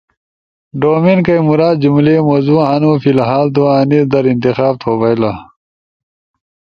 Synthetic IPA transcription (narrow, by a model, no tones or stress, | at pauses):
ɖoːminkɐjmuɾaːd̪̚d͡ʑumlemozuːanufilɦaːlt̪oːaniɾd̪ɐɾint̪ixaːb̚t̪ʰoːbɐjla